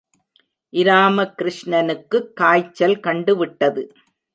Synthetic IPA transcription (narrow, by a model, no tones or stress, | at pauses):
ʔɪɾaːmɐkɪɾɪʂɳɐnɯkːɯkːaːjt͡ʃːɐlkɐɳɖɯʋɪʈːɐðɯ